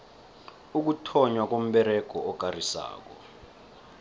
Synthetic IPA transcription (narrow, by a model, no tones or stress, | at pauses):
uk̬utʰɔɲwak̬om̩ɓɛɾɛɡ̥ʱɔɔk̬ʼarisa̰ːk̬ɔ̰